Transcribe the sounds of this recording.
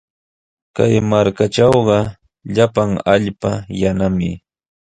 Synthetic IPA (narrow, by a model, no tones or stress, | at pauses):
kajmaɾkaʈ͡ʂɑwɢɑ | ʎapaŋaʎpajanamɪ